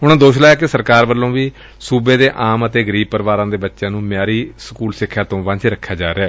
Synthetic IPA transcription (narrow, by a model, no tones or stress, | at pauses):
ɦʊnãːd̪oːʃlaːjaːkesəɾkaːɾbəlːõːʋiː | suːbeːd̪eːʔaːmət̪eːɡəɾiːb̚pəɾʋaːɾãːd̪eːbətːʃjãːnũːmɪjaːɾiːsəkuːlsɪkʰːjãːt̪õːʋãt͡ʃːɾəkʰːjaːd͡ʒaːɾeaː